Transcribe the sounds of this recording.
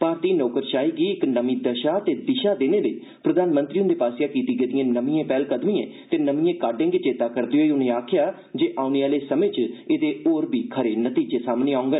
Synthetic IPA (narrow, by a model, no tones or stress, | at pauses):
paːɾt̪iːnɔːkəɾʃaːiːɡiːɪknəmĩːd̪əʃaːt̪eːd̪ɪʃaːd̪eːneːləiː | pɾəd̪aːnmə̃nt̪ɾiːʊ̃nd̪eːpaːsjaːkiːt̪iːɡeːd̪ɪjẽːnəmĩːẽːpɛːlkəd̪mĩːẽːt̪eːnəmĩːẽːkaːɖẽːɡeːt͡ʃeːt̪aːkəɾd̪eːɦoːiʊnẽːaːkʰɪjaː | d͡ʒeːʔaːʊneːaːleːsəmẽːt͡ʃɪd̪eːoːɾbiːkʰəɾeːnət̪iːd͡ʒeːsaːmneːaːʊ̃ŋɡən